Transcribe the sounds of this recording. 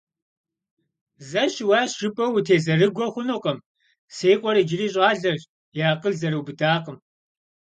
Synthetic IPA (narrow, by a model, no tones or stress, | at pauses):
zɐʃwɑːʃɪpʼɐwutʰeːzɐrɨɡʷɔχʷʊnoqʼɐm | seːjqʷʼɔɾid͡ʒɪriːɕʼɑːɮɐr | jaːqʼəɮzɐɾuwbɨdaːqʼəm